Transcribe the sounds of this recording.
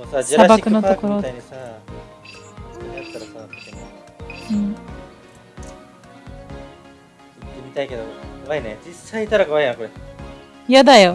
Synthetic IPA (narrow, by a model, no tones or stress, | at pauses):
mosad͡ʑɾaabakɯ̟nookoɾoaiɲiisa | oat̪ːaɾasaβakɯt̪em | ɯ̟̃ɴ | it̪ːemʲit̪aike̞d̪okoβainet͡ɕisːaiːt̪aɾakoβaiãko̞ɾe | jad̪ajo